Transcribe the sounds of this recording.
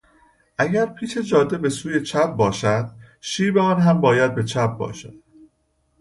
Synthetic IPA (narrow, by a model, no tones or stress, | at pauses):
ʔæɟæɾpʰiːʃe̞d͡ʒɒːd̪ːe̞be̞suːje̞t͡ʃʰæp̚bɒːʃæd̪̥ | ʃiːbeɒːnɦæmbɒːjæd̪̚be̞t͡ʃʰæp̚bɒ̰ːʃæ̰d̪̥